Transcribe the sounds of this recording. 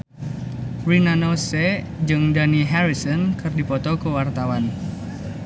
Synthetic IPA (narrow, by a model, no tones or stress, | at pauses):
rinanɔsɛ | d͡ʒɨŋdaniɦaɾisɔnkɨrdipɔt̪ɔkuwart̪awan